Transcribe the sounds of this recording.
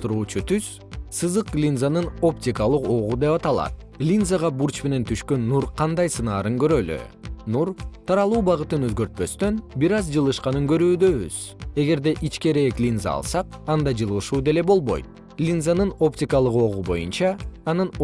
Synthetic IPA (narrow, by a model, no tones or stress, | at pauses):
t̪uɾuːt͡ʃut̪ʰyz̥ | sɯzɯq̚ɡlʲinzanɯno̞ptʲikɑlˠɯqo̞ʁud̪e̞pɑt̪ɑlˠɑ̰t̪̚ | lʲinzaʁɑbuɾt͡ʃme̞ne̞nt̪ʰyʃkø̞nːuɾqʰɑnd̪ɑjsɯnɑːɾɯŋɡø̞ɾø̞ly̰ | nuɾt̪ʰɑɾɑlˠuːbɑʁɯt̪ɯnø̞zɡø̞ɾt̪̚pø̞st̪ø̞nbiɾɑzd͡ʒɯlˠɯʃqɑnɯŋɡø̞ɾyːd̪ø̞βy̰z̥ | e̞ɡe̞ɾd̪e̞ʔit͡ʃke̞ɾe̞ːklʲinza̰ɑ̰lˠsɑqɑnd̪ɑd͡ʒɯlˠɯʃuːd̪e̞le̞bo̞lˠβo̞̰jt̪̚ | lʲinzanɯno̞ptʲɪkɑlˠɯqo̞ʁubo̞̰junt͡ʃɑːnɯn